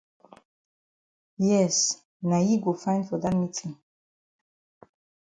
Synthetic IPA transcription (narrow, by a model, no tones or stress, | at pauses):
jɛs | najiɡofãɪ̃ndfɔd̪atmitʰĩŋ